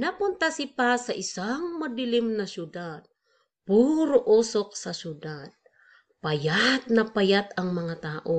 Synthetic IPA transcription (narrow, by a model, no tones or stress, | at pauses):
nɐpʊnt̪asɪpasɐʔɪsaŋmɐd̪ɪlɪmnɐʃʊd̪ad̪̚ | puːɾoʔusok̚sɐʃʊd̪ad̪̚ | pɐjat̪̚nɐpɐjat̪ɐŋmɐŋat̪aːʔo